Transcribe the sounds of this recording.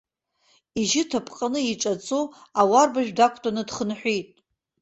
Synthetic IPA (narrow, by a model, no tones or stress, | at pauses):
iʒɪtʰapʰʼqʼanɨiʈ͡ʂʼat͡sʼoawarbaʒᶣdakʷʰtʼanɨdχənħʷᶣijtʼ